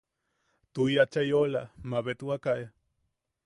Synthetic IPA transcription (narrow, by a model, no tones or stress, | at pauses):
t̪ujat͡ʃajolamaβet̪uakaja